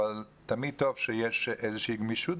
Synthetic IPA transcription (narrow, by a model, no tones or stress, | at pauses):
al | t̪amid̪̚t̪ov̥ʃejeʃʔezəʃeiɡmiʃut